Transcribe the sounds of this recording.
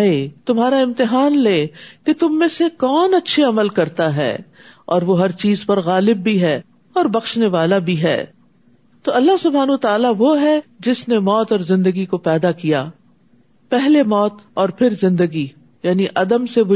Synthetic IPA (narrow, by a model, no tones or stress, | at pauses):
et̪ʊmɦaːɾaɪ̃mt̪ɪɦaːnleːket̪ʊmːẽsekɔːnɐtːʃʰeɐməlkɐɾt̪aɦɛ̰ː | ɔːɾʋoɦɐɾt͡ʃiːzpɐɾɣaːlɪbːiɦɛː | ɔːɾbɐxʃneʋaːlabʱiɦɛ̰ː | t̪oːɐlːaɦsʊbʱaːnʋət̪aːlaʋoɦɛd͡ʒɪsnemɔːt̪ɔːɾzɪ̃nd̪əɡikopɛːd̪akijaː | pɛɦlemɔːt̪ɔːɾpʰɪɾzɪ̃nd̪əɡi | jaːniʔɐd̪əmseʋʊ